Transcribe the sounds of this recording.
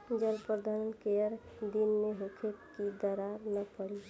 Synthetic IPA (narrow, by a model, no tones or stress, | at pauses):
d͡ʒəlpɾəd̪ʱaɾənkeəɾ | d̪inmeɦũkʰe | id̪əɾaɾnəpəɽi